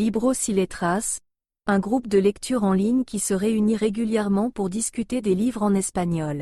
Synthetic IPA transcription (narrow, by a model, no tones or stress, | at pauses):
libʁosilet̪χas | ɛ̃ɡʁupd̪əlɛkt̪ʰyʁɑ̃liɲkʲisəʁeyniʁeɡʲyljɛʁmɑ̃puʁd̪iskʲyt̪ed̪elivʁɑ̃nɛspaɲɔl